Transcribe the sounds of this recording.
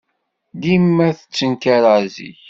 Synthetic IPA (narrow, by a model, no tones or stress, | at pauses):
d̪imːæθə̥t͡sːənkaɾəʕzḭç